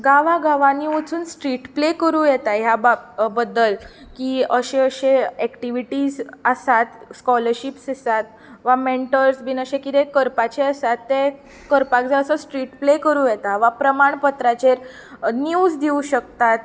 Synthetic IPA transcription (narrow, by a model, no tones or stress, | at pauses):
ɡaʋaɡaʋaniut͡suːnsʈɾiʈplekəɾũjɛt̪aɦjababəd̪ːəl | kiːəɕẽəɕeɛkʈiʋiʈiːd͡zəsat̪skɔləɾɕipsisat̪ | ʋameɳʈəɾsbinəɕekid̪ekəɾpat͡ɕeəsat̪ːe | kəɾpakd͡zaəsəsʈɾiʈplekəɾuːjɛt̪aʋapɾəmaɳpət̪ɾat͡ɕeɾ | nuːd͡zd̪iũɕək̚t̪at̪̚